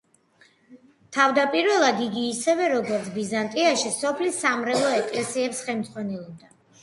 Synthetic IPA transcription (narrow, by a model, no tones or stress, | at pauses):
t̪ʰavd̪apʼiɾvɛlˠad̪iɡiːsɛvɛɾɔɡɔɾt̪sʰbizant̪ʼiaʃisɔpʰlisːamɾɛlˠɔɛkʼlɛsiɛpsχɛlmd̪z̥ʁwanɛlˠɔb̚d̪a